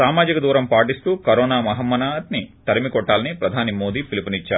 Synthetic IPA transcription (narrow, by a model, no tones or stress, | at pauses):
aːmaːd͡ʒikɐd̪uːɾɐmpaːʈist̪uːkɐɾɔːnaːmɐɦɐmːɐnaːt̪nit̪ɐɾimikɔʈːaːlɐnipɾɐd̪ʱaːnimoːd̪iːpilipunit͡ʃːaːu